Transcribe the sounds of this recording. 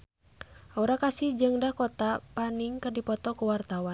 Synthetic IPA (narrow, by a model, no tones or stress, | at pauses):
auɾakasihd͡ʒɨŋdahkɔt̪apaniŋkɨrdipɔt̪ɔkuwart̪awa